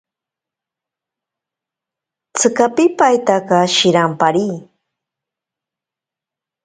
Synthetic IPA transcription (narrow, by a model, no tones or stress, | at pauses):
t͡sɨkapɪpajt̪akɑʃɪɾampaɾiː